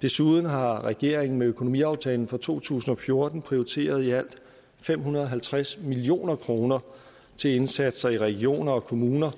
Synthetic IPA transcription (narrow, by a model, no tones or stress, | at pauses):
d̥e̝suð̞ˠn̩ɦɑ̈ʁɛɡ̥e̝ɐ̰eŋn̩meøkʰo̝no̝mḭɑ̈ʊt͡sʰɛ̰ːln̩fɒ̽t͡sʰo̝̰ːt͡sʰṵːsn̩ɒ̽fjo̝ɐd̥n̩pʰʁioit͡sʰe̝̰ːɐð̞ˠiæl̰d̥ | fem̰hunɐðˠɒ̽ɦælt͡sʰʁasmilio̝̰ːnɐkʰʁo̝ːnɐ | t͡sʰe̝le̝nsæd̥sɐiʁɛɡ̥io̝̰ːnɐɒ̽kʰo̝muːnɐ